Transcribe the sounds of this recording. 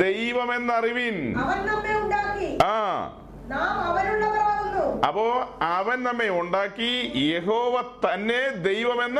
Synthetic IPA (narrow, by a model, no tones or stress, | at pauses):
ejʋɐme̞nːɐriʋinɐʋɐnnɐmːeuɳɖaːkːiaː | naːmɐʋɐnuɭːɐpɐɐɐnilːuɐ̰pːoːɐʋɐnnɐmːe̞uɳɖaːkːijeɦoːʋɐt̪ɐnːe̞d̪e̞jʋɐme̞nːɨ